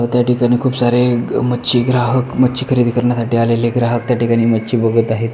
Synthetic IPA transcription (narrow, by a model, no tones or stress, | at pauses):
ʋət̪jaʈikaɽ̃iːkʰuːpsaɾemətːɕiːɡɾaɦəkmətːt͡ɕiːkʰəɾiːd̪ʱikəɾɳjasaʈiːaleleɡɾaɦək̚t̪jaʈikaɽ̃iːmətːt͡ɕiːbəɡʱət̪aɦet̪